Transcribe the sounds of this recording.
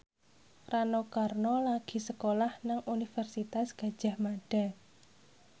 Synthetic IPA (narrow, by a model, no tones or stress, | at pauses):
ranokarnɔlaɡ̥i̤səkolahnaŋunifɛrsit̪asɡ̥a̤d̥ʒ̥a̤hmaɖ̥a̤